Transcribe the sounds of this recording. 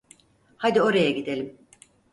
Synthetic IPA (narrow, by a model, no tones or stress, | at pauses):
had̪io̞ɾajaɡid̪e̞lʲim